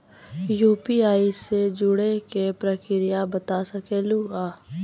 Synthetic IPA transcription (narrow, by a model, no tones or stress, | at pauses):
juːpiaːised͡ʒʊɽekepɾəkɪɾɪjabət̪asəkeːluaː